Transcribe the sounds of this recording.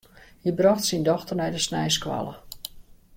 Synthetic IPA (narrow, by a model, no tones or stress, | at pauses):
hibrɔxtsindɔxtərnɛjdəsnɛjskʋa̰lə̰